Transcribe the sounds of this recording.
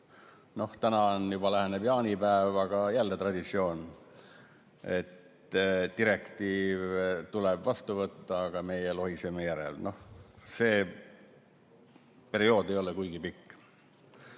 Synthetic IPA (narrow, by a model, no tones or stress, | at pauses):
no̞ht̪ænɑnjub̥ɑlæɦeneb̥jɑːnipæevɑɡ̥ɑjælːet̪rɑd̪̥it̪sio̞ːn | e̞̰t̪ | t̪iɾe̞kt̪iːvt̪ulɛbvɑst̪uvɤt̪ːɑːɡ̥ɑme̞jelo̞ɦisemejæɾḛlno̞hse̞ː | pe̞ɾio̞ːd̪̥e̞jo̞lɛkujɡ̥ipikː